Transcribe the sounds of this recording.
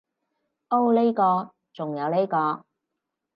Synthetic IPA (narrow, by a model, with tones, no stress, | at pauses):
o˧wle˥jkɔː˧ | t͡sʊ˨ŋjɐ˨˧wle˥jkɔː˧